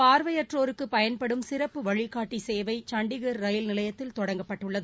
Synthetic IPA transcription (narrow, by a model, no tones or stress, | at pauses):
paːɾʋɐjɐʈroːɾɯkːɯpɐjɐnpɐɽɯmsɪɾɐpːɯʋɐɻɪkːaːʈːiseːʋɐɪt͡ʃɐɳɖɪɣɐɾːɐjɪlnɪlɐjɐt̪ːɪlt̪ɔɽɐŋɡɐpːɐʈːɯɭːɐðɯ